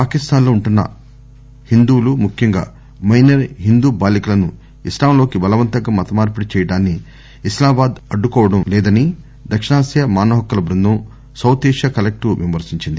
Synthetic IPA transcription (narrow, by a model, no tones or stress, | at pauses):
paːkist̪aːnlo̞ːuɳʈunːɐ̰ | hind̪uːlumukʰjɐŋɡa̰ː | mɐjnɐɾɦind̪uːbaːlikulɐnu | islaːmlo̞ːkibɐlɐʋɐnt̪ɐɡaːmɐt̪ɐmaːɾpuɽit͡ʃɛːjɐɽaːnːiː | slaːbaːd̪ɐɖːukɔːʋɐɽɐmlɛːd̪ɐni | d̪ɐkʂɐɳaːsjɐmaːnɐɦɐkːɐlɐbɾunːum | sɐwt̪eːʂjɐkɐlek̚ʈuʋimɐɾsiɲt͡ʃind̪i